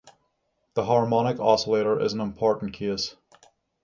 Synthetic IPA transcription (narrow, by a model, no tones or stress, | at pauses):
ðəɦɑɹmɑñɨkɔsəleɪɾə˞ʔɪ̰z̃n̩ə̃mpʰɔɹʔn̩kʰes